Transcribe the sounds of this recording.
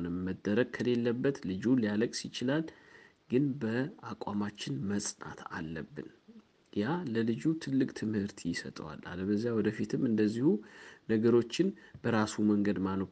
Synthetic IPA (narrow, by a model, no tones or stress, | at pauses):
nəmːəd̪ːəɾəɡ̚kʰəle̞lːəbːət̪lɨd͡ʒulijaləkʼsit͡ʃɪlal | ɡɨnbəakʼamat͡ʃːɪnməsʼna̰t̪ʰa̰lːəbːɨ̰n | jaləlɨd͡ʒut̪ʰɨlːɨkʼt̪ʰɨmhɨɾt̪ʰjɪsə̰t̪ʼəwa̰la̰ləbəzːjawɔd̪əfit̪ʰɨmɨnd̪əzːihunəɡəɾo̞t͡ʃːɪn | bəɾasuməŋɡəd̪mano